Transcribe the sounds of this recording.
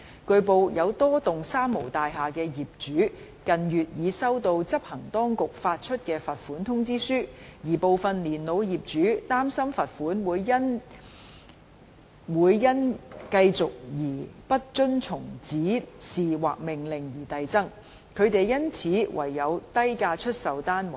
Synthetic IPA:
kɵ˧ɥpo˨˧wjɐ˨˧wt̪ɔː˥t̪ʊ˨ŋsaː˥mmo˨˩wt̪aː˨jɦaː˨kɛː˧jiː˨p̚t͡ʃyː˨˥ | kɐ˨njyː˨t̚jiː˨˧sɐ˥wt̪o˧wt͡sɐ˥p̚hɐ˨˩ŋt̪ɔː˥ŋkʊ˨k̚faː˧t̚t͡ʃʰɵ˥t̚kɛː˧fɐ˨t̚fuː˨˥nt̪ʰʊ˥ŋt͡siː˥syː˥jiː˨˩po˨˧wfɐ˨nliː˨˩nlo˨˧wjiː˨˩p̚t͡ʃyː˨˥t̪aː˥msɐ˥mfɐ˨t̚fuː˨˥nwuː˨˧jːɐ˥n | wuː˨˧jːɐ˥nkɐ˧jt͡sʊ˨k̚jiː˨˩pɐ˥t̚t͡ʃɵ˥nt͡sʰʊ˨˩ŋt͡siː˨˥siː˨wa̰ː˨k̚mɪ˨ŋlɪ˨˩ŋjiː˨˩t̪ɐ˨jt͡sɐ˥ŋ | kʰɵ˨˧ɥt̪e˨jːɐ˥nt͡sʰiː˨˥wʔɐ̰˨˩jːɐ˨˧wt̪ɐ˥jkaː˧t͡ʃʰɵ˥t̚sɐ˨wt̪aː˥nm˨

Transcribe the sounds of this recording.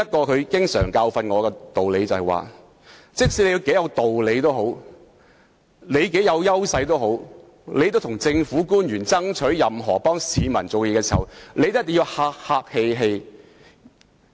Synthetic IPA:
ɐ˥t̚kɔː˧kʰɵ˨˧ɥkɪ˥ŋsœ̰ː˨˩ŋkaː˧wfɐ˧nŋɔː˨˧kɛː˧t̪o˨wle˨˧jt͡sɐ˨whɐ˨jwa̰ː˨ | t͡sɪ˥k̚siː˧˥le˨˧ji˧wke˨˥jɐ˨˧wt̪o˨wle˨˧jt̪o˥wɦo˨˥w | le˨˧jke˨˥jɐ˨˧wjɐ˥wsɐ˧jt̪o˥wɦo˨˥w | le˨˧jt̪o˥t̪ʰʊ˨˩ŋt͡sɪ˧ŋfuː˨˥kuː˥njyː˨˩nt͡sɐ˥ŋt͡ʃʰɵ˨˥ɥjɐ˨mɦɔː˨˩pɔː˥ŋsiː˨˧mɐ˨˩nt͡so˨wɛjɛː˧˥ɛː˧siː˨˩hɐ˨˩wnle˨˧jt̪o˥t̪ːɪ˨ji˧whaː˧k̚haː˧k̚he˧jɦe˧j

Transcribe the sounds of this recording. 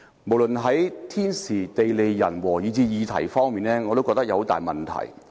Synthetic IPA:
mo˨˩wlɵ˨nɦɐ˨˥jt̪ʰiː˥nsiː˨˩t̪e˨jle˨˧jjɐ˨˩nwɔː˨˩jiː˨˧t͡siː˧jiː˨˧t̪ʰɐ̰˨˩jfɔː˥ŋmiː˨nlɛː˥ŋɔː˨˧t̪o˥wkɔ˧kt̪̚jɐ˧ho˧˥t̪aː˨jmɐ˨nt̪ʰɐ̰˨˩j

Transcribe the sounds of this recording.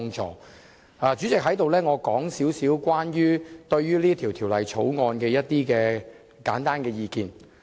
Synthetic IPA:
ŋt͡ʃɔ̰ː˨˩ | aː˨˧t͡ʃyː˨˥t͡sɪ˨k̚ɦɐ˨˥jt̪o˨wlɛː˥ŋɔː˨˧kɔː˨˥ŋsiː˨˥wsiː˨˥wkwaː˥njyː˥t̪ɵ˧ɥɥyː˥liː˥ət̪ʰiː˨˩wt̪ʰi˨˩wlɐ˨˩jt͡ʃʰo˨˥wŋɔː˧nkɛː˧jɐ˥t̚t̪iː˥kɛː˧ | kaː˨˥nt̪aː˥nkɛː˧jiː˨˧kiː˨˧n

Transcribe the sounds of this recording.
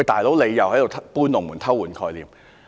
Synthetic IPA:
t̪aː˨˩jlo˨˥wle˨˧jjɐ˨whɐ˨˥jto˨tʰpuː˥nlʊ˨ŋmuː˨˩nt̪ʰɐ˥wːuː˨˩nkʰɔː˧jliː˨˩m

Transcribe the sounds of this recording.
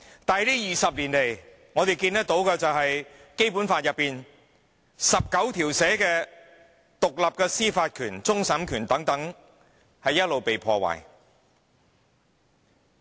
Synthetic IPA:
t̪aː˨liː˥jiː˨˩sɐ˨p̚liː˨˩nle˨j | ŋɔː˨˧t̪e˨jkiː˧nt̪ɐ˥k̚t̪o˨˥wkɛː˧t͡sɐ˨wɦɐ˨jke˥jpuː˨˥nfaː˧t̚jɐ˨pːiː˨n | sɐ˨p̚kɐ˨˥wt̪ʰiː˨˩wsɛː˨˥kɛː˧ | t̪ʊ˨k̚lɐ˨p̚kɛː˧siː˥faː˧t̚kʰyː˨˩nt͡sʊ˥ŋsɐ˨˥mkʰyː˨˩nt̪ɐ˨˥ŋt̪ɐ˨˥ŋ | hɐ˨jːɐ˥t̚lo˨wpe˨jpʰɔː˧wa̰ː˨˩j

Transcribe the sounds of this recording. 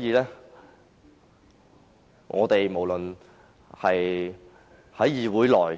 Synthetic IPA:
jiː˨˧lɛː˥ | ŋʔɔ̰ː˨˧t̪e˨jmo˨˩wlɵ˨n | hɐ˨j | hɐ˨˥jjiː˨˩wuː˨˥jlɔː˨˩j

